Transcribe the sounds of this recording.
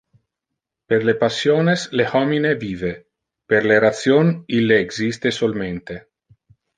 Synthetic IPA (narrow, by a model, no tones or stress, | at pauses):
perlepasjoneslehɔmineviːve | peɾleɾat̪sjonilːeːɡzist̪esolment̪e